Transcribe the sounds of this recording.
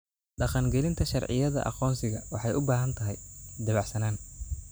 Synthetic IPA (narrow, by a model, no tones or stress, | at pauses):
ɖɑqɑŋɡɛlɪnt̪ʰɐʃɑrʕɪ̰jɐðɐ̰ʔɑ̰qɔːnsɪɣɐwɑħɑjʔʊbaːɦɐnt̪ʰɐɦɛjd̪ɐβɑʕsɐnaːn